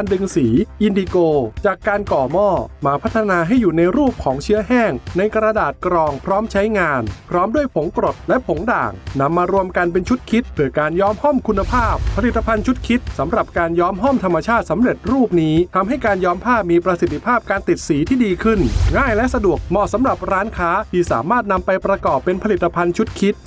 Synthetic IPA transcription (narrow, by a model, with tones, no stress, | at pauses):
ndɯ˧ŋsiː˩˦ʔi˧ndiː˧koː˧t͡ɕaː˨˩kːaː˧nkɔː˨˩mɔː˥˩maː˧pʰt̪ʰːa˧naː˧ɦa˥˩jːuː˨˩na˧jɾuː˥˩p̚kʰɔː˩˦ŋt͡ɕʰɯ˦˥ɐɦɛː˥˩ŋna˧jkɾa˧daː˨˩t̪̚kɾɔː˧ŋpʰɾɔː˦˥mt͡ɕʰa˦˥jŋaː˧npʰɾɔː˦˥mdu˥˩əjpʰo˩˦ŋkɾo˨˩t̪̚lɛ˦˥ʔpʰo˩˦ŋda̰ː˨˩ŋna˧mːaː˧ɾu˧əmka˧npe˧nt͡ɕʰu˦˥t̪̚kʰi˦˥t̪̚pʰɯ˩kaː˧njɔː˦˥mhɔ˥˩mkʰu˧nːa˧pʰaː˥˩pʰːa˧li˨˩t̪ːa˧pʰa˧nt͡ɕʰu˦˥t̪̚kʰi˦˥t̪̚sa˩˦mɾa˨˩p̚kaː˧njɔː˦˥mɦɔ˥˩mt̪ʰa˧mːa˧t͡ɕʰaː˥˩t̪̚sa˩˦mɾe˨˩t̪̚ɾuː˥˩p̚niː˦˥t̪ʰa˧mɦa˥˩jkaː˧njɔː˦˥mpʰaː˥˩p̚miː˧pɾa˧si˨˩t̪ʰːi˧pʰaː˥˩p̚kaː˧nt̪i˨˩t̪̚siː˩˦t̪ʰiː˥˩diː˧kʰɯ˥˩nŋaː˥˩jlɛ˦˥ʔsa˧du˨˩ək̚mɔː˧˩sa˩˦mɾa˨˩p̚ɾaː˦˥nkʰaː˦˥t̪ʰiː˧˩sa̰ː˩˦maː˥˩t̪̚na˧mpa˧jpɾa˧kɔː˨˩pːe˧npʰa˧li˨˩t̪ːa˧pʰa˧nt͡ɕʰu˦˥t̪̚kʰi˦˥t̪̚